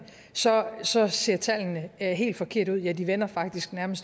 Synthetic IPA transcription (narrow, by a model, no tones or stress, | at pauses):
sɒ̽sɒ̽se̝ɐ̰t͡sʰælnəɦe̝̰ːld̥fɒ̽kʰe̝ɐ̰d̥uð̰ˠjæd̥iʋenɐfɑ̈ɡ̥̚d̥isɡ̥næɐməsd̥